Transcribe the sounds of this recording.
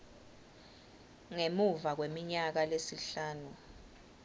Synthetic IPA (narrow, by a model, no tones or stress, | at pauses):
ŋemuvak̬wemiɲak̬alesiɬaːnu